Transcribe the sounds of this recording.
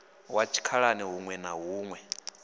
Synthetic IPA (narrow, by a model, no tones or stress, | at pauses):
wat͡ʃʰi̥kʰaɺaniɦuŋwɛnaɦuːŋwɛ